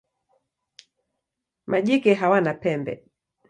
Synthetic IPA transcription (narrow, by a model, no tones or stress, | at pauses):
maʄikɛɦawanapɛmbɛ̰